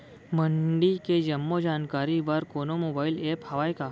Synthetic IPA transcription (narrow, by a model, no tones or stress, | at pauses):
məɳɖiked͡ʒəmːod͡ʒankaɾiʋaɾkonomobailephəʋajka